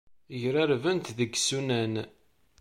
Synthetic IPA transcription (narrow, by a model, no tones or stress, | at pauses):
ʝɾaɾvənt̪ðəɡsunæn